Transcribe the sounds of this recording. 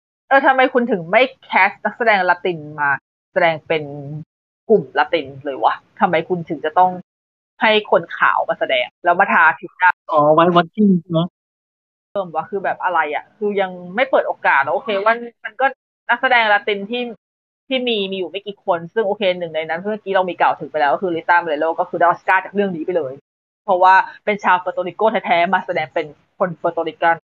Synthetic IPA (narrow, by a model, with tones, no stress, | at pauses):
ʔɤː˧˩t̪ʰa˧mːa˧jkʰu˧nt̪ʰɯ˩˦ŋma˥˩jkʰɛː˦˥sna˦˥k̚sa˧dɛː˧ŋla˧t̪i˧nmaː˧ | sa˧dɛː˧ŋpe˧n | ku˨˩mla˧t̪i˧nlɤː˧jwa̰˦t̪ʰa˧mːa˧jkʰu˧nt̪ʰɯ˨˩˦ŋt͡ɕa˨˩t̪ɔ˥˩ŋ | ha˥˩jkʰo˧nkʰa̰ː˩˦wmaː˧sa˧dɛː˧ŋlɛː˦˥wmaː˧t̪ʰaː˧t̪ʰi˦˥daː˥˩ʔɔː˨˦wa˦˥jwa˦˥t̪ʰːiː˥˩ni˨˩˥a˦˥ | t̪ɤː˧˩mwa˦˧˩kʰɯː˧bɛː˨˩p̚ʔa˧ɾa˧jʔa̰˨˩kʰɯː˧ja˧ŋma˥˩jpɤː˨˩t̪̚ʔoː˧kaː˨˩t̪̚nɔ˦˥ʔoː˧kʰeː˧wa˥˩ma˧nkɔː˥˩ | na˦˥k̚sa˧dɛː˧ŋ˧la˧t̪i˧nt̪ʰiː˥˩ | t̪ʰiː˥˩miː˧miː˧juː˨˩ma˥˩jkiː˧˩kʰo˧nsɯ˥˩ŋʔoː˧kʰeː˧nɯ˨˩ŋna˧jna˦˥nkʰːmaː˥˩kiː˦˥ɾa˧wmiː˧ka˨˩wt̪ʰɯ˨˩˦ŋpa˧jlɛː˦˥wkɔ˥kɯː˧li˦˥t̪ːaː˥˩pa˧jlɤː˧˦loː˥˩kɔː˥˩kʰɯː˧da˧˩˦skaː˥˩t͡ɕaː˨˩ɾɯ˥˩əŋniː˦pa˧jlɤː˧j | pʰɔ˦˥waː˥˩pe˧nt͡ɕʰaː˧wfɤː˧t̪o˧ɾi˧˥koː˥˩t̪ʰɛ˦˥jt̪ʰɛː˦˥maː˧sa˧dɛː˧ŋpe˧n | kʰo˧nfɤː˧t̪oː˧ɾi˦˥ka˥˩n